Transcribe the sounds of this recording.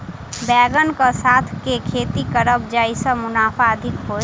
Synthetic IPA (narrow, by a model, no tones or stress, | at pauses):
bɛːɡənkəsaːt̪ʰkekʰeːt̪ikəɾəb̚d͡ʒaːisəmʊnaːfʰaəd̪ʱɪkɦoː